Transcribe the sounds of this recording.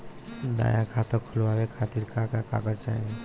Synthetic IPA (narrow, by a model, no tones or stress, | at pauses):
d̪a̰jakʰat̪ɔkʰuluabekʰat̪iɾkʰakaka̰kat͡ʃa̰ɦĩ